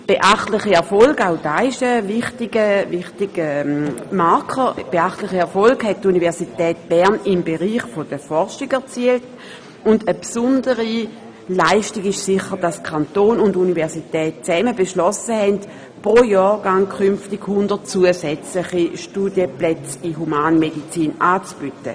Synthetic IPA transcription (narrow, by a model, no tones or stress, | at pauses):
b̥eʔaχtlɪχiɛɐfɔlɡaʊd̥aːɪʃəvɪχtɪɡəvɪχtɪɡəmaɐkʰəb̥eaχtlɪχiɛɐfɔlkhɛt̚tunivɛɐsitɛːt̚b̥ɛɐnɪmbeʁiːχfod̥əfɔʁʃiɡɛɐt͡siəlt | ʊndəpsʊndəʁi | laɪʃtiɡɪʃsɪχəʁd̥askʰantoːnʊndunivɛʁsitɛːt̚t͡sɛməbeʃlɔsəhɛnt | pʁojɔːʁɡaŋkʰʏmftiɡhʊndət̚t͡suəsɛt͡slɪχiʃtudjəplɛt͡siɦumaːnmedit͡siːnaːt͡sb̥ytə